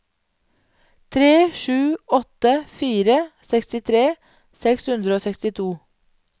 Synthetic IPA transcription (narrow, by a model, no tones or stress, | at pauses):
t̪ʰɾeːʃʉːɔt̪əfiːɾəsɛkst̪ɪt̪ʰɾeː | sɛkshʉnd̪ɾəoːsɛkst̪ɪt̪ʰuː